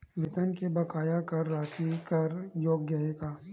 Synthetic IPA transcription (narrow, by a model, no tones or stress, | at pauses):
ʋɪt̪ənkebɐkaːjakɐɾːaːʃikɐɾjoːɡjaekaː